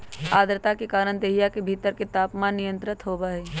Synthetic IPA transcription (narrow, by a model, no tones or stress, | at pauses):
aːd̪ɾt̪akekaːɾəɳd̪eɦijakebʱiːt̪əɾket̪aːpmaːnːijə̃nt̪ɾɪt̪ɦoːbaːɦiː